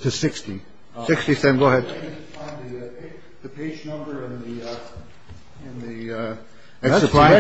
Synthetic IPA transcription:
tʰɨsɪksti | sɪkstisɛ̃nwəlˠɨdʰfãɪ̃nði | ðɨpʰeɪd͡ʒnʌ̃mbə˞ɪ̃nði | ɪ̃nði | ɛsəpʰɹ̥ãɪ

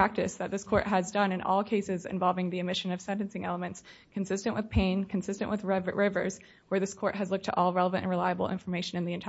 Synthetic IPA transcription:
æk̚tɨsðɨt̪̚ðɪskʰɔɹʔɦɨzdʌ̃nɨ̃nʔɔ̰lˠkʰeɪsɨzɨ̰̃ɱvɑlˠvɪ̃ŋðiɨmɪʃɨ̃nʌv̥sɛ̃ntɨ̃n̩sɪ̃ŋɛlˠəmɨ̃ntskʰɨ̃nsɪstɨ̃nʔwʔɨð̥pʰẽɪ̃nkʰɨ̃n̩sɪstɨ̃nʔwɨðɹvɹʔɪvə̰˞z̥ | wə˞ðɪskʰɔɹʔ̚ɦɨzlʊk̚tʰəʔɔlˠɹɛlˠəvɨ̃ntɨ̰̃nɹɨlaɪəbl̩ˠɪ̰̃ɱfə˞meɪʃɨ̃nɨ̃nðiɨ̃ntʰ

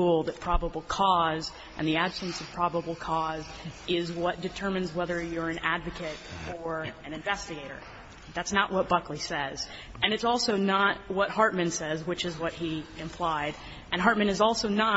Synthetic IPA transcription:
ulˠðɨt̚pʰɹ̥ɑbəbl̩ˠkʰɔz | ʔɨ̰̃nðiæb̥sɨ̃nsʌv̥pʰɹ̥ɑbəbl̩ˠkʰɔzɪzwʌt̚d̥ɨtʰɜ˞mɨ̃nzwɛðə˞jə˞ɨ̃nædvɨkʰɨɾə˞ɨ̃nɨ̃ɱvɛstɨɡeɪɾə̰˞ | ðætsnəʔwʌt̚b̥ʌklisɛz̥ | ɨ̃nɨtsɔlˠsoʊnət̚wʌt̚hɑɹt̚mɨ̃nsɛzwɨt͡ʃɨzwʌt̚hiɨ̃mpʰl̥aɪɾ | ɨ̃nɦɑɹt̚mɨ̃nɨzɔlˠsoʊnə

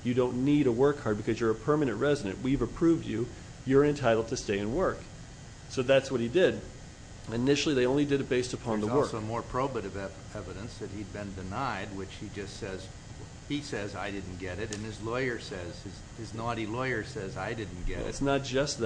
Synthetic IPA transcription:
jɨdõʊ̃nːiɾəwɜ˞kʰhɑɹd̚bɨkʰʌzjə˞ɨpʰɜ˞mɨnɨ̃nʔɹɛzɨɾɨ̰̃nʔwivɨpʰɹ̥ʉvd͡ʒʉ | jə˞ɨ̃ntʰaɪɾl̩ˠd̚tʰɨsteɪɨ̃nwɜ˞k | soʊðætswʌt̚hidɪd | ɨnɪʃl̩ˠiðeɪõʊ̃nlidɨɾɨt̚b̥eɪstɨpʰɑ̃nðəwɜ˞ʊmɔɹpʰɹ̥oʊbɨɾɨvɛ | ɛvɨɾɨ̃nsðɨt̚hid̚bɨ̃ndɨnaɪd̚wɨt͡ʃhid͡ʒʌstsɛz | isɛzaɪdɪdⁿn̩ɡ̥ɛɾɨɾɨ̃nɨzlɔɪə˞sɛz̥ɨz | ɨznɑɾilɔɪə˞sɛzaɪdɪdⁿn̩ɡ̥ɛɛ̰ɨ̰tsnət̚d̥ʒ̥ʌsð

